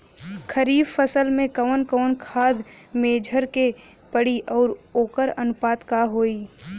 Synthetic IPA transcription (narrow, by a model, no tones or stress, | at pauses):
kʰəɾiːbfəsəlmẽkəʋənkəːnkʰaːd̪ | meːd͡ʒʱəɾke | pəɽiʔɔːɾoːkəɾɐnʊpaːt̪kaɦoːiː